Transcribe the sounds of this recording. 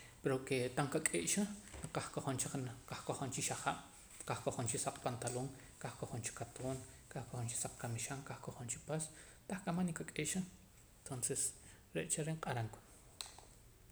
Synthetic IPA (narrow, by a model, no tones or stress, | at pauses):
peɾoket̪aŋkakʼeːʔʃanaqahkoχont͡ʃaχnqahkoχont͡ʃiʃaχaɓ̥ | kahkoχont͡ʃisaq͡χpant̪aloːŋ | kahkoχont͡ʃi̥kːat̪ʰoːnkahkoχont͡ʃi̥saq͡χ̚kamiʃaŋkahkoχont͡ʃipas | t̪aχkʼamanikakʼeːʔʃa | nt̪onses | ɾeʔt͡ʃaɾeɴqʼaɾaŋku̥